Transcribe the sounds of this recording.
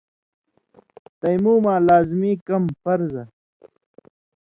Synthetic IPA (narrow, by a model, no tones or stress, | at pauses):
t̪ɐjmuːmaːlaːzmiːkɐmfɐɾzɐ